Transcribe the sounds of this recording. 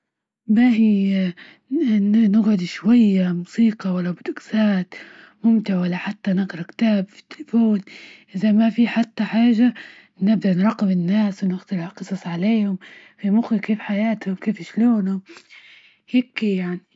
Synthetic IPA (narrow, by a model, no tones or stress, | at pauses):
mahi | nnɪɡʕʊd̪ʃwajːamʊsiːqɑwalːabd̪ʊksaːt̪ | mʊmt̪ɪʕwalːaħat̪ːanɪɡɾˤɑkt̪aːbfi̥t̪ːɪ̥lfoːnʔɪzamafiħat̪ːaħaːʒa | nɪb̚d̪aʔnɾˤɑqːɪbɪnːaːswɪnɪxt̪alɪʕqɨsˤɑsˤʕaleːhʊm | fimʊxɪkeːfħajaːt̪hʊmkeːfɪʃloːnʊm | heːkjaʕni